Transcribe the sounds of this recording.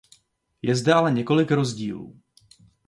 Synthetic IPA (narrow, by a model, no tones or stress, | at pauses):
jɛzdɛʔalɛɲɛko̞lɪkɾo̞zɟḭːlṵː